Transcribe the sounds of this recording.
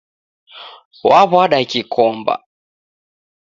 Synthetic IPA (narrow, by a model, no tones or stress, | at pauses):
waβwaɗakikʰɔmba̰